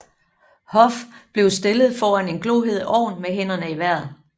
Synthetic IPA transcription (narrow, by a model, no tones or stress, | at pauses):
hɒ̽fb̥le̝ʊsd̥e̝lð̞̩ˠfɒːæne̝nɡ̥lo̝ːɦe̝ð̰ˠɒ̰ːnmeɦen̰ɐnəiʋæɐ̰ð̩ˠ